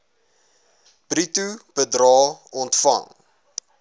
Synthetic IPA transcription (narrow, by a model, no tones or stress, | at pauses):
b̥ritubədrɑːɔntfɐ̰ŋ